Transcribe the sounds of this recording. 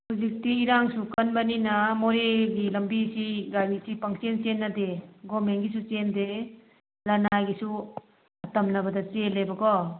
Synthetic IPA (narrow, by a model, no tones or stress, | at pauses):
huzik̚tiːɾaŋsukɐnbɐninɐmoɾeɡilɐmbisiɡaɾisipaŋsent͡ʃenːɐdeɡɔmenɡisut͡ʃende | lɐnaɡisu | ɐtɐmnɐbɐdɐt͡ʃelebɐɡɔ